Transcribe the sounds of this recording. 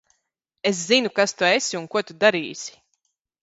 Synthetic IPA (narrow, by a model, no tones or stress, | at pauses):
es̬zinukast̪uesiunkuɔt̪ud̪aɾiːsi̥